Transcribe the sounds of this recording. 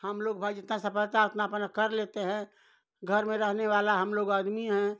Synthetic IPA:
həmloːɡ̚bʱaːd͡ʒjət̪ãsɐpəɾt̪aət̪napənəkəɾleːt̪eɦɛ̃ | ɡʱəɾmẽɾɛɦneʋaːlaɦɐmloːɡaːd̪miɦɛ̃

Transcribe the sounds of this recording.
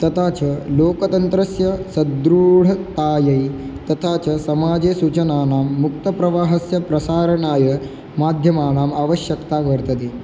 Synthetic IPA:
t̪ɐt̪ʰaːt͡ʃɐloːkɐt̪ɐnt̪ɾɐsjɐsɐd̪ɾuːɽ̤ɐt̪aːjɐjt̪ɐt̪ʰaːt͡ʃɐsɐmaːd͡ʒeːsut͡ʃɐnaːnaːmːuk̚t̪ɐpɾɐʋaːɦɐsjɐpɾɐsaːɾɐɳaːjɐ | maːd̪ʱjɐmaːnaːmaːʋɐʃjɐkt̪aːʋɐɾt̪ɐd̪i

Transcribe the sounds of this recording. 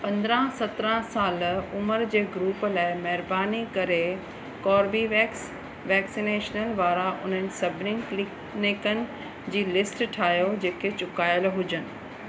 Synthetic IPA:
pɐ̃nd̪ɾə̃sɐt̪ɾə̃saːlʊməɾd͡ʑeːɡɾuːplaːɪmɐɦɪɾbaːnikɐɾe | kɔːɾbi | ʋɛːksineːʃnəlʋaːɾaʔʊ̰n̤ənɪ̆sɐbʱɪnɪ̃ŋklɪk | nɪkənɪ̆ | d͡ʑiːlɪsʈʈʰaːjod͡ʑeːket͡ɕʊkaːjəlɦʊd͡ʑənɪ̆

